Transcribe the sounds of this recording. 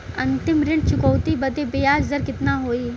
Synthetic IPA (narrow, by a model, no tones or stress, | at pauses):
ɐ̃nt̪ɪmɾɪ̃ɳɖ̚t͡ʃʊkɔwt̪ibɐd̪ebejaːd͡ʒzəɾkɪt̪naɦoːiː